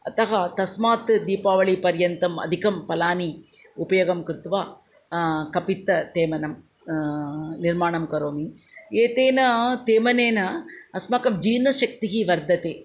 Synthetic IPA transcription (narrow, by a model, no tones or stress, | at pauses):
ɐt̪ɐɦɐt̪ɐsmaːt̪d̪iːpaːʋɐɭipɐɾjɐnt̪ɐmɐ̰d̪ʱikɐmpɐlaːni | ʊpɐjɐɣɐmkɾt̪ʋaː | kɐpit̪ːɐt̪eːmɐnɐm | nɪɾmaːɳɐmkɐɾoːmi | eːt̪eːnɐt̪eːmɐneːnɐɐsmɐkɐmd͡ʒiːnɐʃɐk̚t̪iɦiʋɐɾd̪ʱɐt̪eː